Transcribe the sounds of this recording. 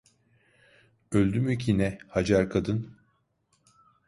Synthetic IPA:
ølʲd̪ymycʰinɛhad͡ʒaɾkʰad̪ɯn

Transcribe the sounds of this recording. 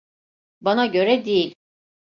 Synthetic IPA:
banaɟø̞ɾɛd̪ejilʲ

